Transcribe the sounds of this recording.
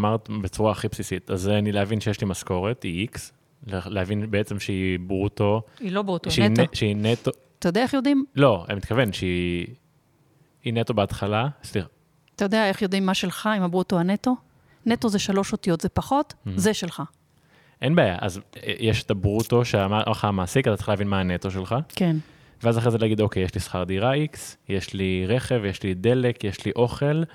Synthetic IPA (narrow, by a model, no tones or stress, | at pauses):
maʁt̪bet͡suʁaːχipsisit̪azanileavinʃejeʃlimasko̞ʁetiiks | lleavinbeet͡se̞mʃeibʁuto̞ilobʁutoʃenʃeinet̪o | at̪ajd̪eaeχjo̞dimlo̞ḛmit̪kavenʃei | inetobeatχalasli | at̪ajo̞d̪eaeχjo̞dimːaʃe̞lχaimabʁutohaneto̞ | neto̞zeʃalo̞ʃot̪ijo̞tzepaχo̞t̪zeʃelχa | ʔenbeaːja̰ʔa̰z̰jeʃet̪abʁut̪oʃeamaχamaːsikatate̥χalavinmaːnet̪o̞ʃ̬elχaken | veazaχʁezelaɡid̪o̞kejeʃlisχaʁd̪iʁaiksjeʃliʁeχe̞vjeʃlid̪e̞lekjeʃliʔo̞χe̞l